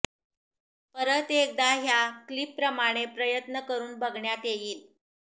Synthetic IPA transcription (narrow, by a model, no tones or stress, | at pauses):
pəɾət̪ek̚d̪aɦjaklipːɾəmaɽ̃epɾəjət̪nəkəɾuːnbəɡɳjat̪jejiːl